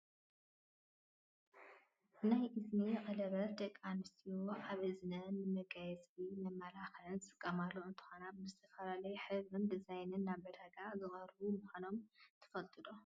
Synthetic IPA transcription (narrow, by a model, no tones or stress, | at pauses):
ʔɨnajʔɨsmiqʼɐlɐβɐt̪ʰʼɐkʼːanɨst̪ʰiwoʕaβɨznɐnɨmɐɡajɛsbimɐmːalaxɐlɨnsʼɨkʼːɐmalːoɨnt̪ʰɨ̥xonabɨzɨt̪ʰɐfɐlalɐjɛħɨbɨnd̪ɨzajnɨnːaβɐd̪aɡazɨxʼɐɾβumuxʷano̞mt̪ʰɨ̥fɐlt̪ʼɨd̪o